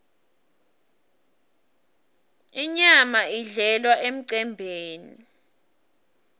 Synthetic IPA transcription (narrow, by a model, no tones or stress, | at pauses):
iɲamaiɮɛlwaʔem̩ǀɛmbʱeːni